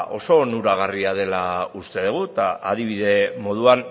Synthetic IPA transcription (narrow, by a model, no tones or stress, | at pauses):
ʔo̞so̞nuɾaɣ̞ariað̞e̞laust̪e̞ð̞uɣ̞ut̪aʔaðiβ̞iðe̞mo̞ð̞uan